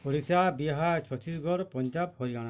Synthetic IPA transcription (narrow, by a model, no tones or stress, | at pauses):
poɾisabiɦat͡ʃʰɔt͡ʃisɡɔɾpɔɲd͡ʒab̚hɔɾiɡaɽ̃a